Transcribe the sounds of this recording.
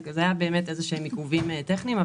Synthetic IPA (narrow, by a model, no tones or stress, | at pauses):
kzeajabe̞ːmete̞zeʃeemikuvimeteχnimav